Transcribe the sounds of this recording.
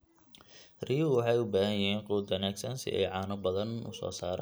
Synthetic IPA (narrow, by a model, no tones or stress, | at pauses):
rijuwɑħɑjʊbaːhɐjɐɦiːnquːd̪wɐnaːɡsɐnsɪ̰ʔɛ̰jʕɑːnɐbɐðɐnʊ̰sɔ̰ːsaːɾɛ̰ː